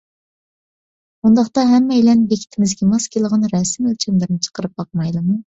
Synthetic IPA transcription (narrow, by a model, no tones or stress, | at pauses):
und̪ɑχt̪ɑɦɛmːɛjlɛnbekʲʰi̥t̪ʰɪmɪzɡʲɛmɑskʲʰelˠəʁɑnɾɛsɪmølt͡ʃʰimlɪɾnɪt͡ʃʰə̥qəɾɨp̚bɑqmɑjlˠɨmu